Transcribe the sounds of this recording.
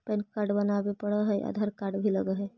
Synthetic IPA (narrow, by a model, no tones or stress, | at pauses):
pənkaɾɖbənabepəɽəɦɛjʔə̰d̪ʱaɾkaɾɖbʱiləɡəɦɛ